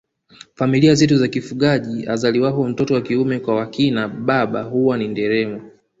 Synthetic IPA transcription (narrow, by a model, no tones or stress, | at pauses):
familiazɛtuzakifuɠaʄia̰zaliwapɔm̩tɔtɔwakiumɛkwawakinaɓaɓaɦuwanindɛɾɛma